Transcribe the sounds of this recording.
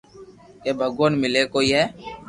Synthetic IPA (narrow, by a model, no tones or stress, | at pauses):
eːbʱəɡoːnmɪleːkoːiːɦɛː